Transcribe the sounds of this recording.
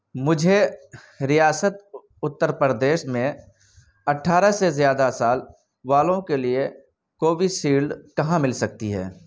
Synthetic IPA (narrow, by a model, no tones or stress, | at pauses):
mʊd͡ʒʱe | ɾijaːsət̪̚ | ʊt̪ːəɾpəɾəd̪eːʃmẽ | ɐʈʰːaːɾasezjaːd̪asaːl | ʋaːlõkelie | koːbisiːɽɖkɐɦãmɪlsɐk̚t̪iɦɛ̰ː